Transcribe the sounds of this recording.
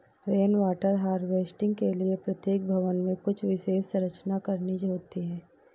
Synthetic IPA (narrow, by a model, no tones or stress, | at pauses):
ɾeːnʋaːʈəɾɦaːɾɖʋeːsʈɪ̃ŋɡkeliepɾɐt̪jeːk̚bʱɐʋənmẽkʊt͡ʃʰʋɪʃeːʃsɐɾət͡ʃnakɐɾnid͡ʒɦoːt̪iɦɛ̃ː